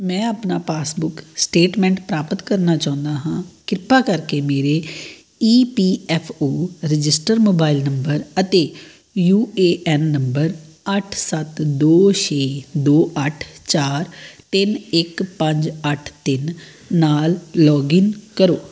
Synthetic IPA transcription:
mɛ̃ːaːpnaːpaːsbʊksʈeːʈmɛ̃ːɳʈpɾaːpət̪kəɾnaːt͡ʃãːʊ̃nd̪aːɦãːkɪɾɪpaːkəɾkeːmeːɾeː | iːpiːɛːpʰoːɾɪd͡ʒɪsʈəɾmoːbaːɪlnəmbəɾət̪eː | juːeːʔɛːnːəmbəɾ | əʈʰsət̪d̪oːʃeːd̪oːʔəʈʰt͡ʃaːɾt̪ɪnɪkpəɲd͡ʒəʈʰt̪ɪn | naːllɔːɡɪnkəɾoː

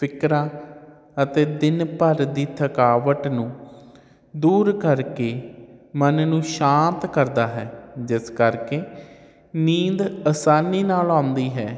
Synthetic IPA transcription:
pʰɪkɾãː | ət̪eːd̪ɪnpəɾd̪iːt̪ʰəkaːʋəʈnũː | d̪uːɾkəɾkeːmənnũːʃãːnt̪kəɾd̪aːɦɛːd͡ʒɪskəɾkeː | niːd̪əsaːniːnaːlãːnd̪iːɦɛː

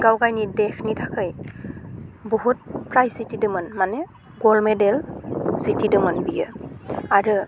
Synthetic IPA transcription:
ɡawɡajnidɛkʰnitʰakʰɯj | boɦut̚pɹajsitidɯmənmanɛ | ɡɔlmɛdɛlsitidɯmənbijɯ̰aɹɯ

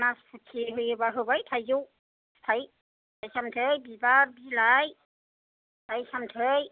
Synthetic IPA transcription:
naspʰutʰiɦɯjɯbaɦɯbajtʰajzuw | tʰaj | tʰajsamtʰɯjbibaɾbilaj | tajsamtʰɯj

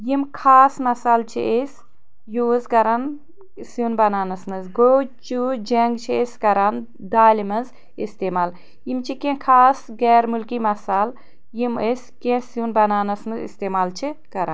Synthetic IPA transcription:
jimkʰaːsmɐsaːlt͡ʃʰḭʔes | juːzkɐɾɐn | sunbɐnaːnɐsmɨzɡoːt͡ʃud͡ʒɐŋɡt͡ʃʰieskɐɾan | d̪aːlʲimɐz | ist̪eːmaːl | jimt͡ʃʰikẽkʰaːsɡɛːɾmulkimɐsaːl | jimeskẽsjunbɐnaːnɐsmɨzḭst̪eːmaːlt͡ʃʰikɐɾa̰n

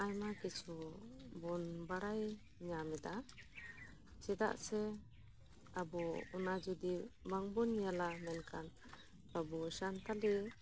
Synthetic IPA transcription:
ajmakit͡ʃʰubɔnbaɾaj | ɲamɛd̪a | t͡ʃɛd̪a̰ʔsɛ | abɔunad͡ʒud̪ibaŋbɔnjalamɛnkʰan | babɔʃant̪ali

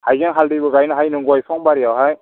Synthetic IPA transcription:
hajɡaŋɦaldibɯɡajnɯɦajnɯŋɡɔjsʰɔŋbaɾiawɦaj

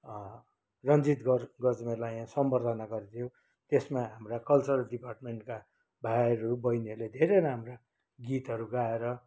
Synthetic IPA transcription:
rʌnd͡zit̪ɡʌɡʌd͡zmelajãsʌmbʌrd̪ʱʌnaɡʌɾt̪ʰijõ | t̪esmaɦamrakʌlt͡sʌrɖiparʈmeɳʈka | bʱajɾubʌjneled̪ʱeɾeɾaamra | ɡit̪ɦʌɾuɡaeɾʌ

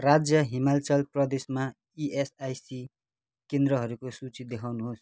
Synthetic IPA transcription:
rad͡zjʌɦimalt͡sʌlprʌd̪esma | iʔesajsi | kend̪ɾʌɦʌɾukosut͡sid̪ekʰawnuɦos

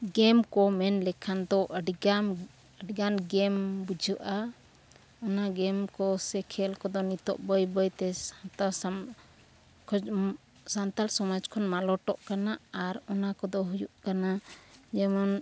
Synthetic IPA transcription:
ɡɛmkɔmɛnlɛkʰand̪ɔʔəɖɡam | əɖɡanɡɛmbud͡ʒʱəʔa | ɔnaɡɛmkɔsɛkʰɛlkɔd̪ɔnit̪ɔ̰ʔbəjbəjt̪ɛt̪a | kʰ | sant̪alsɔmad͡ʒkʰɔnmalɔʈɔʔkanaaɾɔnakɔd̪ɔɦujuʔkanad͡ʒɛmɔn

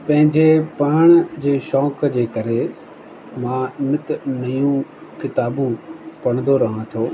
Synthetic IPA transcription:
pɐ̃ɦɪ̃ɲd͡ʑepɐəɽ̃əd͡ʑeːʃɔːkd͡ʑeːkɐɾe | mãːnɪt̪nɐjũkɪt̪aːbũpɐɽ̃nd̪oɾɐɦãt̪ʰijoː

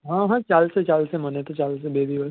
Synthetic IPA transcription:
ɦãːɦãːt͡ʃaːlset͡ʃaːlsemɐnẽt̪ot͡ʃaːls̬ebeːd̪iʋə

